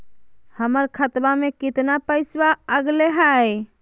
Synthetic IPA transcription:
həməɾkʰət̪bamekɪt̪napəɪsbaəɡleɦəj

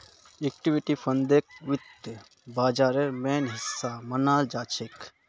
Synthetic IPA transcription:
ek̚ʈiʋiʈifʰɐnd̪ek̚ʋɪt̪ | baːd͡ʒaːɾeɾmeːnɦɪsːamɐnaːld͡ʒaːt͡ʃʰek

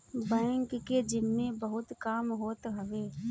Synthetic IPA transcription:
bɛ̃ːŋkːed͡ʒɪmːẽbəɦʊt̪kaːmɦoːt̪ɦɐʋeː

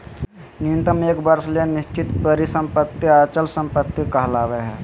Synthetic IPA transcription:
nint̪əmeːkbəɾsleniʃt͡ʃit̪pəɾisə̃mpət̪ːiat͡ʃəlsəmpət̪ːikəɦlaːʋeɦɛ

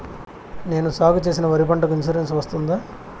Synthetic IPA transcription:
ne̞ːnusaːɡut͡ʃe̞ːs̬inɐʋɐɾipɐɳʈɐkuinsuɾensʋɐst̪und̪aː

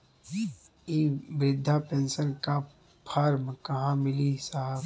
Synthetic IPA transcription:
iːbɾɪd̪ʱːapẽnsənka | pʰaːɾmkɐɦãmɪlisaɦ

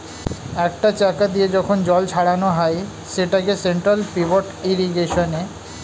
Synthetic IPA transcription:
ɛk̚ʈat͡ɕakad̪ied͡ʑɔkʰond͡ʑɔlt͡ɕʰaɽanoɦaj | ʃeʈakeseɳʈɾalpiboʈiɾiɡeʃone

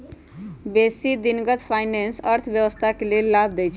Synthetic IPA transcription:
besid̪inɡət̪pʰajnensəɾt̪ʰbjəwəst̪ʰakelelːabd̪ɛjt͡ʃʰ

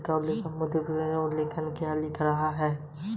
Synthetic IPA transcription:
ʈaːblɪkəmʊd̪epõlɪkʰənkialɪkʰɾɐɦaɦɛː

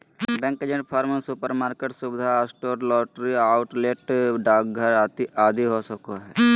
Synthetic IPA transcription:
bɛ̃ːŋked͡ʒẽɳʈpʰaːɾmesupəɾmaːɾkeːʈsubɪd̪ʱaasʈoːɾlɔːʈɾiaːʊʈleʈɖaːk̚ɡʱəɾaːt̪iʔaːd̪ʱiɦosəkoɦɛː

